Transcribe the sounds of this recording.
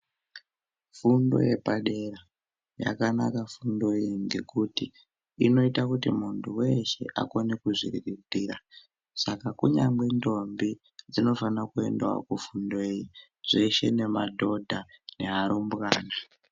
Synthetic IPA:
fundo̞̰je̞paɗe̞ɾa | ja̰kanakafundo̞eiŋɡe̞̰kutiː | no̞itakutimuntʰuwe̞ʃe̞̰ʔa̰konekuʐiriridiːɾa | sakakuɲaŋɡe̞ndo̞mbi | d͡zino̞fanakue̞̰ndewa̰kufundoeji | ʐ̥e̞ʃe̞ne̞madʱo̞dʱane̞aɾumbɣaːna

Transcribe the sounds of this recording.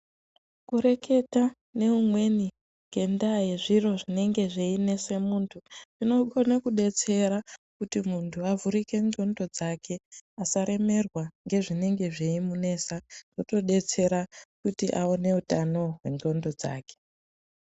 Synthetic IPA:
kuɾe̞ke̞ta | ne̞umwe̞ni | ɡ̥e̞ndajeʐiro̞ʐine̞ŋɡe̞ʐeine̞se̞muntʰuino̞ɡonakuɗe̞t͡se̞ɾakutimuntʰuavuɾike̞nɡo̞ndo̞d͡zakʰe̞asaɾe̞me̞rwaŋɡe̞ʐine̞ŋɡe̞ʐeimune̞ːsaoto̞ɗe̞t͡se̞ɾakutiʔaone̞utano̞ɦwe̞nɡo̞ndo̞d͡za̰ːke̥

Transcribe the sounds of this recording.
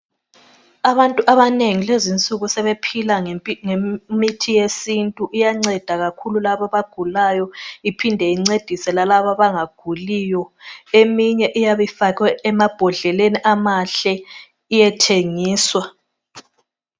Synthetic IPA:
aβantʼuʔaβaneŋilezint͡sʼuɣusɛβepʰilaŋemitʰijesintʼuʔijaŋ͡ǀɛd̥ʱaɣakʰululaβaβaɡ̥ʱulajɔipʰindʱɛiŋ͡ǀed̥ʱisɛlalaβaβaŋaɡ̥ʱulijɔemiɲɛʔijaβifakɛːmab̥ʱɔɮɛleniʔamaɬɛ | ijɛtʰeŋiːswa

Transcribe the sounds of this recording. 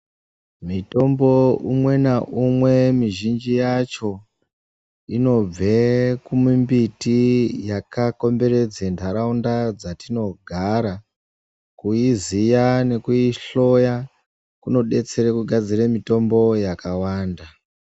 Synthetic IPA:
mito̞mbo̞umwe̞naʔumwe̞miʒind͡ʒijat͡ʃo̞ | ino̞b͡vekumumbitijakako̞mbe̞ɾe̞d͡zendʰʱaɾaundad͡zatino̞ɡʱaɾa | kuizijane̞kuiɬo̞ja | kuno̞ɗe̞t͡se̞ɾekuɡʱad͡ziremito̞mbo̞jakawaːnda

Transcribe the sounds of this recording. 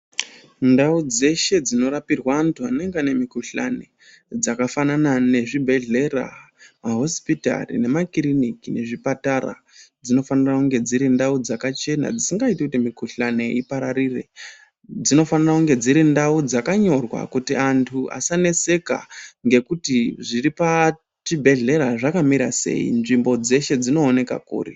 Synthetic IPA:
ndaud͡ze̞ʃe̞d͡zino̞ɾapirwaːntʰuane̞ŋɡane̞mikuɬa̰ne̞ | d͡zakafananane̞ʐibʱe̞ɮe̞ra̰ | maɦo̞spita̰rḭne̞makirinikine̞ʐipataɾa̰ | d͡zino̞fanirakuŋɡe̞d͡ziɾindaud͡zakat͡ʃe̞na̰d͡zisiŋɡaitikutimikuɬane̞ipaɾaɾire̞̰ | d͡zino̞fanirakuŋɡe̞d͡ziɾindaud͡zakaɲo̞rwa̰kutiantʰuʔa̰sanese̞ka̰ŋɡe̞kutiʐiripa | t͡ʃibʱe̞ɮe̞ɾaʐakamiɾase̞̰ḭnʐimbo̞d͡ze̞ʃe̞d͡zino̞ːne̞ka̰kṵːri

